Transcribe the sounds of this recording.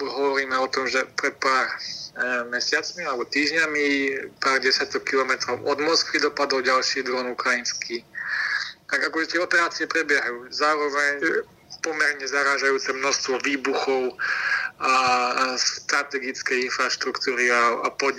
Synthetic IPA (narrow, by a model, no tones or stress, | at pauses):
ɦɔʋɔɾiːmɛɔt̪ɔmʒɛpɾɛt̪̚paːɾ | mɛsɪat͡smialɛbɔt̪iːʒɲamipaːɾɟɛsjat̪ɔkːilɔmɛt̪ɾɔʊɔd̪mɔskʋid̪ɔpad̪ɔʊɟalʃiːd̪ɾɔnukɾajinski | t̪aɡakɔʒɛt̪ɪɛɔpɛɾaːt͡siɛpɾɛbjɛɦajuːzaːɾɔʋɛɲ | pɔmɛɾɲɛzaɾaːʒajuːt͡sɛmnɔst̪ʋɔʋiːbuxɔʊ | ast̪ɾat̪ɛɡit͡skɛjinfɾaʃt̪ɾukt̪uːɾiaapɔɲ